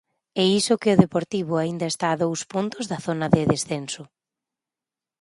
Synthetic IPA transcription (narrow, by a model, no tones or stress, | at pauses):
ɛisʊkɪʊðepoɾt̪iβʊaind̪ɐest̪aːðowspunt̪ʊzðɐθonɐðɪðesθensʊ